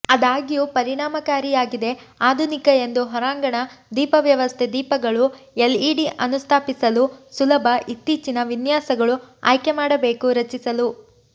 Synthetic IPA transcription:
ɐd̪aːɡijuːpɐɾiɳaːmɐkaːɾijaːɡid̪e̞ | aːd̪ʱunikɐe̞nd̪uɦɔɾaːŋɡɐɳɐd̪iːpɐʋjɐʋɐst̪ʰed̪iːpɐɡɐɭu | eliːɽiʔɐnust̪ʰaːpisɐlusulɐbʱɐʔit̪ːiːt͡ʃinɐʋinjaːsɐɡɐɭua̰ːjkemaːɽɐbe̞ːkuɾɐt͡ʃisɐlu

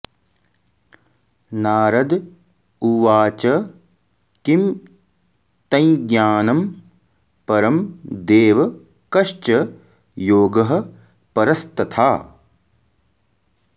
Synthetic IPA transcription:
naːɾɐd̪ | uʋaːt͡ʃɐ | kim | t̪ɐ̃jĩɡjaːnɐm | pɐɾɐmd̪eːʋɐ | kɐʃt͡ʃɐ | joːɡɐɦɐ̆ | pɐɾɐst̪ɐt̪ʰaː

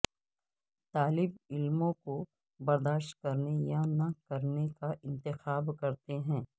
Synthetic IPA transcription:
t̪aːlɪbɪlmõko | bɐɾd̪aːʃʈ̚kɐɾnejanɐkɐɾnekaʔɪ̃nt̪ɪxaːbkɐɾt̪eɦɛ̃ː

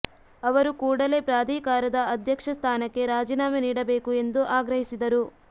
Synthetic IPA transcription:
ɐʋɐɾukuːɽɐle̞pɾaːd̪ʱiːkaːɾɐd̪ɐɐd̪ʱjɐkʂɐst̪ʰaːnɐkːe̞ɾaːd͡ʒiːnaːmɐniːɽɐbe̞ːkue̞nd̪uʔaːɡɾɐɦisid̪ɐɾu

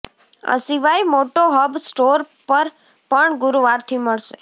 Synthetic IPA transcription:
ə̰siʋajmoʈoɦəbsʈoɾ | pəɾ | pəɳɡʊɾuʋaɾt̪ʰiməɭʃe

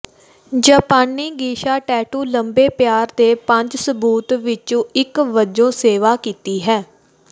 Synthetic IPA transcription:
d͡ʒaːpaːnːiːɡiːʃaːʈɛːʈuːləmbeːpjaːɾd̪eːpəɲd͡ʒsəbuːt̪ʋɪt͡ʃõːɪkʋəd͡ʒõːseːʋaːkiːt̪iːɦɛː

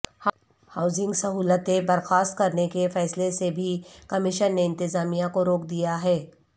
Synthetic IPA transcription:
haːʊzɪ̃ŋɡsɐɦuːlət̪ẽbɐɾxaːst̪̚kɐɾnekefɛːslesebʱikɐmɪʃənːeɪ̃nt̪ɪzaːmijãkoɾoːkd̪ijaɦɛː

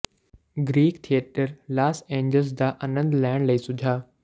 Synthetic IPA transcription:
ɡɾiːkt̪ʰijeʈəɾlaːsẽːɲd͡ʑəls̬d̪aːʔɐnə̃nd̪laːɪɽ̃lɐisʊd͡ʑʱaː

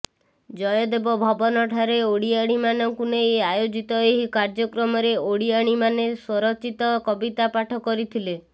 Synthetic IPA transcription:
d͡ʒɔjɔd̪ebɔbʱɔbɔnɔʈʰaɾeoɽiaɽ̃imanɔŋkunejajod͡ʒit̪ɔeɦikaɾd͡ʒɔkɾɔmɔɾeoɽiaɽ̃imaneswɔɾɔt͡ʃit̪ɔkɔbit̪apaʈʰɔkɔɾit̪ʰile

